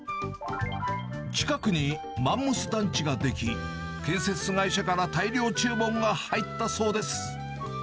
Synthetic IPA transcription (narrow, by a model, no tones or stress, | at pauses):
t͡ɕi̥kakɯ̟ɲ̟i | mãmːɯ̟sɨd̪ãɲ̟t͡ɕiɡad̪e̞kʲi | kẽ̞ɰ̃se̞t͡sɨɡaiɕakaɾat̪aiɾʲjo̞ːt͡ɕɨːbõ̞ŋɡahait̪ːaso̞ːd̪e̞sɨ̥